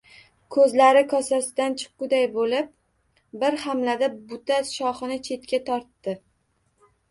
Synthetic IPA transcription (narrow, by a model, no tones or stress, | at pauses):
kʰɵzlaɾɪkʰɒsasɪd̪ant͡ʃʰɨ̥q̚ːʊd̪ajbolɪp̚ | bɪɾhamlad̪abʊt̪aʃɒχɨnɪt͡ʃʰe̞t̪kʲat̪ʰɒɾt̪ːɪ